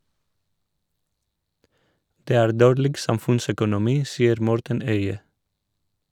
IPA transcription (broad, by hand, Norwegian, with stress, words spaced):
ˈdeː ˈæːɾ ˈdoːɾlɪɡ ˈsɑmfʉnsœkʊnʊˌmiː ˈsiːəɾ ˈmɔɾtən ˈœʏə